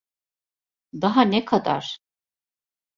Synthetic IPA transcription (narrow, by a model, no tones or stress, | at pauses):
d̪aɦanɛkʰad̪a̰ɾ̥